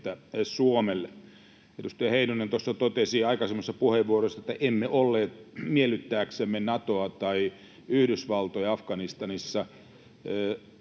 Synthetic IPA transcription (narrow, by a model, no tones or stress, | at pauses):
t̪æsuomel | edust̪æjɑheinunent̪osːɑt̪ot̪esiɑikɑsemːost̪ːɑpuheʋːuorosːɑet̪ːæʔemːeʔolːeːt̪mielyt̪ːæːksemːenɑt̪oɑt̪ɑi | yhdysʋɑlt̪ojɑɑfkɑnist̪ɑnisːɑ